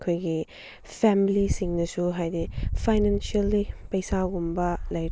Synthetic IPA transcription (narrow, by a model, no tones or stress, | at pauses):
kʰojɡi | pʰɛmilisiŋnɐsuɦajdipʰajnansiɐlːipɐjsaɡumbɐlɐj